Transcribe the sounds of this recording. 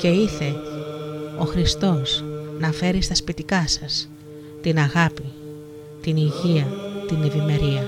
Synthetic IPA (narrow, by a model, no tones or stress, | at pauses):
ce̞iθe̞ | o̞xɾist̪o̞snɐfe̞ɾist̪ɐspit̪ikɐsɐs | t̪inɐɣɐpi | t̪iniʝiɐt̪ine̞vime̞ɾiɐ